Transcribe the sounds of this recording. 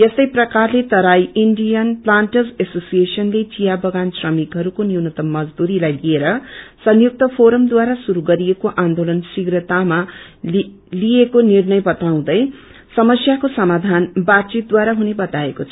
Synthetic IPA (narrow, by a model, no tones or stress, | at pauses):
jest̪ʌjprʌkarlet̪ʌɾajiɳɖijʌnplaɳʈʌzesosijesʌnlet͡sijabʌɡansrʌmikɦʌɾukoniwnʌt̪ʌmːʌd͡zd̪uɾilajlieɾʌsʌnjuk̚t̪ʌpʰoɾʌmd̪waɾasuɾuɡʌɾiekoʔand̪olʌnsiɡrʌt̪ama | liekonirnʌjbʌt̪aw̃d̪ʌj | sʌmʌsjakosʌmad̪ʱanbat̪̚t͡sit̪̚d̪waɾaɦunebʌt̪aekot͡sʰʌ